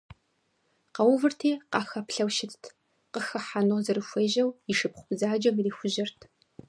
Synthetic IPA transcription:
qɐwvɨrtʰeːqɑːxɐpɬɐwʃɪttʰ | qəxɐħanʊʁzɨrɨfʷeːʑɐwiʃɨpχʷʊpɨzaːd͡ʒɐmriːxʷʊʑɪrtʰ

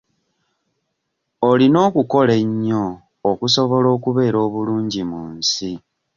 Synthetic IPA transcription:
olino̞ːkuko̞leɲːoː | kuso̞βo̞lo̞ːkuβe̞ːɾo̞ːβuluːɲɟimuːnsi

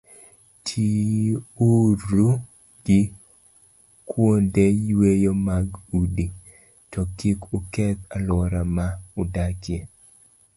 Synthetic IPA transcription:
tʰiuɾu | ɡ̥ɪ | kwondejwejomaɡudi | tɔkikukɛt̪alɔɾamaʊdakje

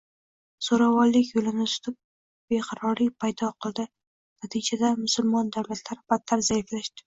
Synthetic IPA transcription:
soɾavɒɾlɪkʲjolɪnɪsʊ̥t̪ʰʊp̚ | b̥eqʰɑɾɒɾipʰajd̪ɒqʰɨlˠd̪ɪ | nat̪ʰid͡ʒad̪amʊsʊlˠmɒnd̪awlat̪ʰlaɾɪb̥at̪ʰːaɾzaɪflaʃt̪ɪ̥

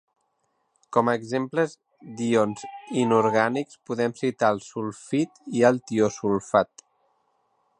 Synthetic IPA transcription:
kɔməɡzempləz | d̪ionzinuɾɣanikspuðɛmsit̪aəlˠsulˠfit̪iəlˠt̪iosulˠfat̪

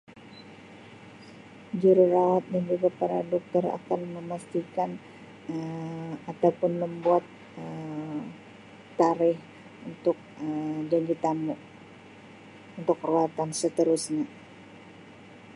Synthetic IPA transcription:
d͡ʒuɾuɾawat̪̚dand͡ʒuɡapaɾadɔk̚t̪ɔra̰kanməmast̪ikan | əat̪awpʊnməmbuat̪̚ | ə | aɾɪh | unt̪ʊk̚əd͡ʒaɲd͡ʒit̪amu | unt̪ʊkruat̪ansət̪əɾusɲa

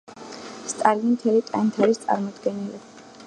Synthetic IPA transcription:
st̪ʼaliimt̪ʰɛlit̪ʼant̪ʰaɾist̪sʼa̰ɾmɔd̪ɡɛnili

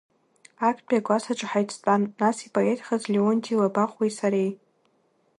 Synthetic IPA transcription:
akʰʼbʲʼaɡʷasaʈ͡ʂʼħajt͡sʰtʼanːasipʼoetʰχazleontʰʼilabaχwajsaɾej

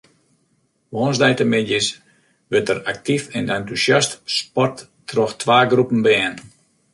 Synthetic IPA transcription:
ʋoːnzdɛjtəmɪdjəs | ʋøtərak̚tifɛnantusastspɔrtː | rɔxtʰʋaːɡrupn̩bɛːn

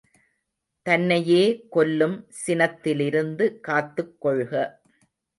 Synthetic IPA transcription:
t̪ɐnːɐjeːkɔlːɯmsɪnɐt̪ːɪlɪɾɯnd̪ɯkaːt̪ːɯkːɔɭɣɐ

